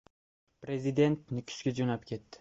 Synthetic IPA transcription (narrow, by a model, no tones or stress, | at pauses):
pɾe̞zɪd̪e̞nt̪nɪkʲʰʊ̥skʲad͡ʒonap̚kʲʰe̞t̪ːɪ̥